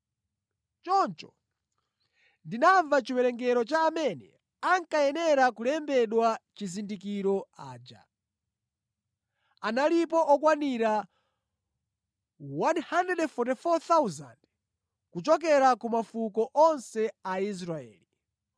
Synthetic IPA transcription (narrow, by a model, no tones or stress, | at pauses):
t͡ʃɔnt͡ʃɔ̥̰ | ndinaɱvat͡ʃiwɛɾɛŋɡɛɾɔt͡ʃaːmɛnɛ | aŋkajɛnɛɾakulɛmbɛɗwat͡ʃizindikiɾɔaːd͡ʒa̰ | analip̬ɔʔɔkwaniɾa | wanhandɛdɛfɔtɛfɔt̪awuzand | kut͡ʃɔk̬ɛɾakumafukɔʔɔnsɛais̬ɾaɛ̰ːli